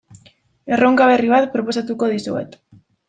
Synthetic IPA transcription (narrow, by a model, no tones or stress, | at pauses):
e̞rʔo̞ŋkaβ̞e̞riβat̪pɾo̞po̞sat̪uko̞ðisue̞̰t̪